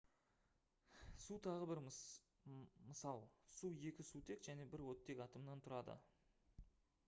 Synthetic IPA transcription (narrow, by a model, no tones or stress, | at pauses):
sut̪ʰɑʁəbɪɾ | məsɑlˠsue̞kʲɪsut̪ʰe̞kʒ̥æne̞bɪɾwɵt̪ːe̞kʲɑt̪əmnɑnt̪ʰʊɾɑd̪ə̰